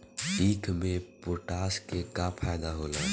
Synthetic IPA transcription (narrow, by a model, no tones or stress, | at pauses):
iːkʰmẽpʊʈaːskekapʰaːjd̪aɦoːla̰ː